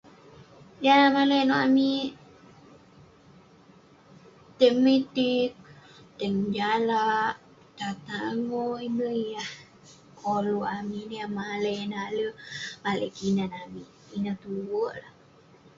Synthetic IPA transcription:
jamalenoami | t̪emit̪ik̚ | t̪ɛŋd͡ʒalaʔ | t̪at̪aŋoiməijah | kʰoluʔaminejamalenaləmalḛkinanami | inat̪uwoʔla

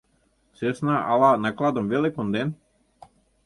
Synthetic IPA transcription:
sesnaʔa̰lˠanaklˠad̪ɔmvelikond̪ɛn

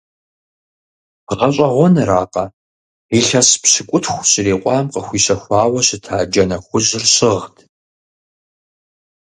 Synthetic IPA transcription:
ʁɐɕʼɐʁʷɔnɨɾaːqɐ | iɬɐspɕɨkʷʼʊtʰxʷɕɪreːqʷʼɑːmqəxʷiːɕɐxʷɑːwɐɕɪtʰaːd͡ʒɐnɐxʷʊʑɪrɕɪʁtʰ

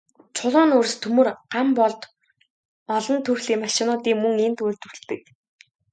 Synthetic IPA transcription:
t͡sʰʊɮʊːnɵrst̪ʰɵmɵ̆rɢampɔɮt̪ | ɔɮɞ̆nt̪ʰɵwɮiːŋmaʃɪ̆nʊːt̪iːŋmɵŋent̪ujrt̪ɵ̆wɮt̪ɘ̆k̚

